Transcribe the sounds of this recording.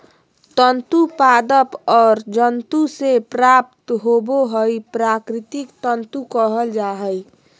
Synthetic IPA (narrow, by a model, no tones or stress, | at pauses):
t̪ənt̪upad̪əpɔːɾd͡ʒənt̪usepɾap̚t̪ɦoboɦəjpɾakɾɪt̪ɪkt̪ənt̪ukəɦəld͡ʒaɦəj